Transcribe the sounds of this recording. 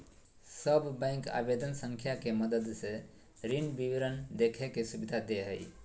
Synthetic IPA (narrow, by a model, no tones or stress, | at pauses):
səbʱːɛ̃ɪ̃ŋka̰bed̪ənsəŋkʰjakeməd̪əd̪se | ɾinbiʋɾənd̪ekʰɛkːesubid̪ʱad̪eɦə̰j